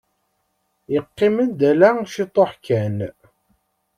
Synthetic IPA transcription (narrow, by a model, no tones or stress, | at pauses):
jəqːimənd̪ælæʃit̪ˤːoħkæn